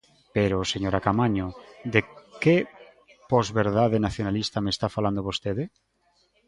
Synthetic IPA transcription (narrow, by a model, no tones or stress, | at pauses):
peɾoseɲoɾakamaɲod̪eke | pɔzβeɾðaðenaθjonalist̪amest̪afaland̪oβost̪eðe